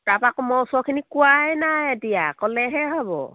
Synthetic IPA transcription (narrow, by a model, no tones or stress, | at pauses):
tapakmɔsɔkʰinikʊwajnajadijakɔlɛɦɛɦɔbɔ̰